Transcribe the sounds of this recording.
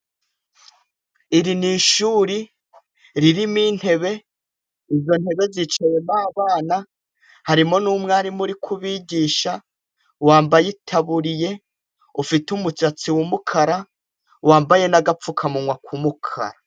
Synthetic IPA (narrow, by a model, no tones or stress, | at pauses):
iɾiniʃuːɾi | ɾiɾimiːn̥he̞βe̞ | izo̞n̥he̞βe̞zit͡ʃaje̞maːβaːna | haɾimo̞nuːmŋaɾimuɾikʰuβiːɟiːʃa | waːmbajitʰaβuɾije̞ | ufitumut͡ʃat͡siwumukʰaɾa | waːmbaje̞naɡap͡fukʰamuŋwakʰumukʰa̰ɾa